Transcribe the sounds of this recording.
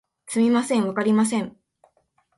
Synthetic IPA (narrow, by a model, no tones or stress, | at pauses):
sɨmʲimasẽ̞ɰ̃βakaɾʲimas̬ẽ̞ɴ